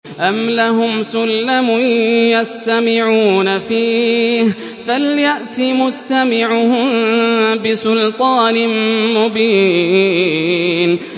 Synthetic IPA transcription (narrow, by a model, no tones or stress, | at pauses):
ʔamlaɦʊmsʊlːamʊjast̪amɪʕuːnafiːh | faljaʔt̪imʊst̪amɪʕʊhʊmbɪsʊlt̪ˤɑːnɪmmʊbiː | n